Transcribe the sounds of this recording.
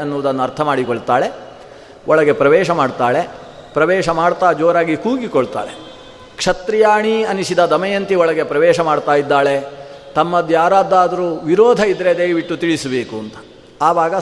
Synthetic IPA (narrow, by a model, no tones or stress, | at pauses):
ɐnːuʋud̪ɐnːuɐɾt̪ʰɐmaːɽikoɭt̪aːɭe̞ | ɔɭɐɡe̞pɾɐʋɛːʃɐmaːɖt̪aːɭe̞ | pɾɐʋɛːʃɐmaːɽt̪aːd͡ʒoːɾaːɡikuːɡikɔɭt̪a̰ːɭe | kʂɐt̪ɾijaːɳiɐniʃid̪ɐd̪ɐmɐjɐnt̪iɔɭɐɡe̞pɾɐʋɛːʃɐmaːɖt̪aːjid̪ːaːɭe̞ | t̪ɐmːɐd̪jaːɾaːd̪aːd̪ɐɾuːʋiɾɔːd̪ʱɐid̪ɾe̞d̪ɐjʋiʈːut̪iɭisɐbeːkuɐnt̪ɐ̥ | aːʋaːɡɐ